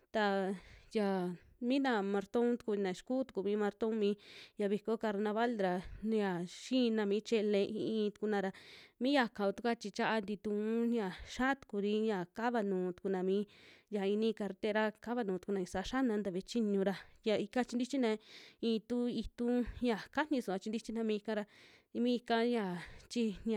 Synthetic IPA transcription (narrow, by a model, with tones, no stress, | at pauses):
t̪a˧ja˨ | mĩ˦nã˧˨mã˧ɾt̪õ˦t̪u̥˧ku˧nẽ˨˧ʃku˦t̪u̥˧ku˧˨mĩ˦mã˧ɾt̪õ˦mĩ˦ja˧βi˧ko˦ka˧ɾnã˧βa˦ld̪ɾa˧n˧ja˨ʃĩ˦˧nã˧mĩː˨˦t͡ʃe˧le˧ḭ˧ĩ˧t̪u̥˧ku˧nã˧ɾa˧mĩ˦ja˧kã˧˨o˧t̪u˧kʷa˦t͡ʃi˧t͡ʃa˦ʔa˧nd̪i˧t̪ũ˧˦ɲã˨ʃa˦t̪u̥˧ku˧ɾi˧˦ja˨ka˦βa˧nũː˨t̪u̥˧ku˧nã˨mĩː˧˦ja˨i˧nĩ˦ka˧ɾt̪e˦ɾa˦ka˦βa˧nũː˧t̪u̥˧ku˧nã˧ĩ˧sa˧ʃa˦nã˧nd̪a˧βe˧˦t͡ʃi˦ɲũ˧ɾa˧ja˨i˧ka˦˧t͡ʃi˧nd̪i˦t͡ʃi˦nã˧ĩː˧t̪u˦i˧t̪ũ˦ja˨ka˦nĩ˧su˨a˧t͡ʃi˧nd̪i˦t͡ʃi˦nã˧mĩ˦i˧kã˧ɾa˧ | mĩ˦i˧ka˧ja˨t͡ʃi˦n˧a˨